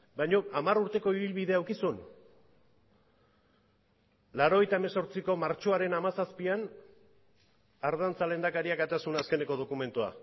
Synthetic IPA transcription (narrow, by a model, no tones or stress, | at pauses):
bajɲo̞amaruɾt̪e̞ko̞iβilβiðe̞awkisun | laɾo̞ɣe̞jt̪ae̞me̞so̞ɾt͡siko̞maɾt͡ʃo̞aɾe̞namasaspian | aɾð̞ant͡sale̞nd̪akaɾiakat̪asunaske̞ne̞ko̞ð̞o̞kume̞nt̪ua̰